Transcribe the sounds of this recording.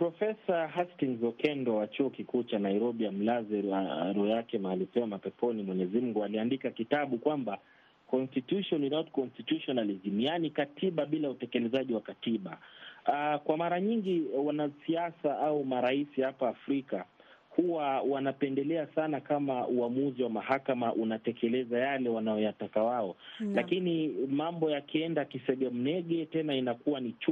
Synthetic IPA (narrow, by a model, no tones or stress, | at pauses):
pɾɔfɛsaɦastiŋzɔkɛndɔwat͡ʃuɔkikuːt͡ʃanaiɾɔɓiam̩lazɛɾuɛjakɛmaːlipɛwamapɛpɔnimwɛɲɛzim̩ɡualiandikakitaɓukwamba | kɔnstitjuʃɔninɔtkɔnstitjuʃɔnalizimianikatʰiɓaɓilautɛkɛlɛzaʄiwakatiɓa | kwamaɾaɲiŋɡiwanasiasaʔaumaɾaisihapaːfɾika | huwawanapɛndɛlɛasanakamauamuziwamaɦakamaʔunatɛkɛlɛzajalɛwanajɔjatakawaɔlakinimambɔjakiɛndakisɛɗiɔm̩nɛɠɛtɛnainakuwanit͡ʃ